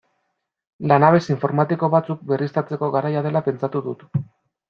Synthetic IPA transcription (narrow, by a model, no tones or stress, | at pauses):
lanaβ̞e̞siɱfo̞ɾmat̪iko̞βat͡suk̚be̞rist̪at͡se̞ko̞ɣaɾajað̞e̞lape̞nt͡sat̪uðut̪